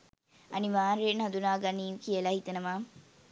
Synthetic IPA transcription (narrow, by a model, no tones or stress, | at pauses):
ɐniʋaːɾeːnɦɐd̪unaːɡɐniːukiəlɐɦit̪ɐnɐmaː